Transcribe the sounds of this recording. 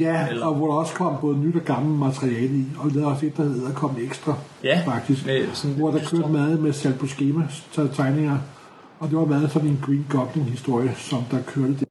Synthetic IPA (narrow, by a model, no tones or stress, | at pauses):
jæɒ̽ʋɒɾ̥ɑ̈ɒ̽skʰɒ̽m̰b̥ɔ̽ːð̞̩ˠnyd̥ɒɡ̥ɑ̈ml̩mæt͡sʰʁiɛːləiɒ̽lɛːðˠɒ̽se̝d̥̚d̥ɑ̈he̝ð̞̩̰ˠækʰɒ̽m̰eɡ̥sd̥ʁɑ | fɑ̈ɡ̥̚d̥isɡ̥ʋɒd̥ɑ̈kʰøɐd̥əmæð̩ˠmesæl̰bʰɒsɡ̥e̝ːmæt͡sʰɑ̈ɪne̝ŋɐ | ɒ̽d̥e̝ʋɑ̈mæðˠsɒ̽dn̩e̝nɡ̥ʁiːnɡ̥ɒ̽b̥le̝ŋhisd̥o̝ɐ̰jəsɒ̽md̥ɑ̈kʰøɐɾ̥əd̥e